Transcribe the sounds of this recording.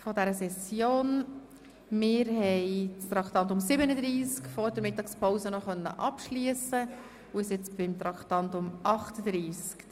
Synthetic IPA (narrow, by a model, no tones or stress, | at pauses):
fɔdæɾəsɛsjoːn | mɪːɾɦɛɪt͡st̪ɾɑkt̪ɑnt̪ʊmsɪbənəd̪ɾiːskfɔːɾd̥əmɪt̪ːɑkspʰɔwsənɔχœnːə̰ʔɑpʃliəsə | ʊɪsɪt͡sb̥ɪmt̪ɾɑkχt̪ɑnt̪ʊmʔɑχtəd̥̪ɾiːsk